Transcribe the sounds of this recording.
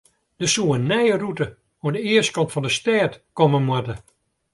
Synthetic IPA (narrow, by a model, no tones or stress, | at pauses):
d̥əsuənːɛjərutə | oədəɪəst̚kɔntfɔndəstɛːtkɔmənmwatə